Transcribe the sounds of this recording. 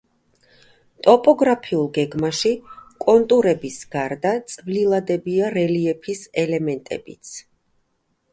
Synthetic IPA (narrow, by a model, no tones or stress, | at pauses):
t̪ʼɔpʼɔɡɾapʰiulˠɡɛɡmaʃikʼɔnt̪ʼuɾɛbisɡ̥aɾd̪at̪sʼvlilˠad̪ɛbiaɾɛliɛpʰisɛlɛmɛnt̪ʼɛ̰bit̪sʰ